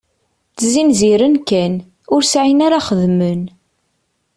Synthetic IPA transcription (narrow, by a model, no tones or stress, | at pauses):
t͡szinziɾənkæn | ʊɾsʕinaɾaχəðmən